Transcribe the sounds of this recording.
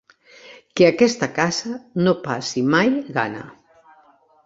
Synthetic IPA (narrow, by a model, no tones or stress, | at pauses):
keakɛst̪akasanopasimajɣa̰na̰